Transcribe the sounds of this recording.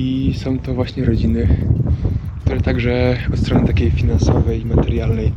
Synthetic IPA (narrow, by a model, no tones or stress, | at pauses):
isɔ̃w̃t̪ɔvwaɕɲɛɾɔd͡ʑinɘ | kt̪uɾɛt̪aɡʐɛɔt̪st̪ɾɔnɘt̪akʲejfʲinansɔvɛjimat̪ɛɾjalnɛj